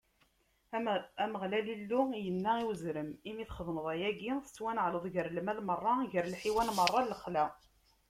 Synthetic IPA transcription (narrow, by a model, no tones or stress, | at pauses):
æməʁlælilːujənːæiwzɾəmimiθχəðnəðˤæjæɡiθə̥t͡sːwænəʕləðˤʝəɾlmælmərˤːɑʝəɾlħiwænmərˤːɑlːəχlæ